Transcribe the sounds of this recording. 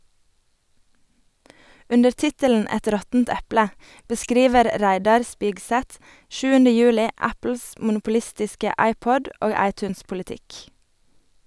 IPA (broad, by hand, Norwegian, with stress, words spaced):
ˈʉndəɾ ˈtɪtəln̩ ˈɛt ˈɾɔtn̩t ˈɛplə bəˈskɾiːʋəɾ ˈɾæɪdɑɾ ˈspɪɡˌsɛt ˈʃʉːəndə ˈjʉːlɪ ˈæpl̩s mʊnʊpʊˈlɪstɪskə ˈɑɪˌpɔd ˈoːɡ ˈɑɪˌtʉːnspʊlɪˌtɪk